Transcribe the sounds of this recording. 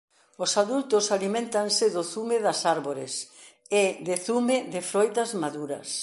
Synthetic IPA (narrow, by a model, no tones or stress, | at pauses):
ʊsaðult̪ʊsalimẽnt̪ɐŋsɪðʊθumɪðɐsaɾβoɾɪ̰s | ɪðɪθumɪðɪfɾɔjt̪ɐzmaðuɾɐ̰s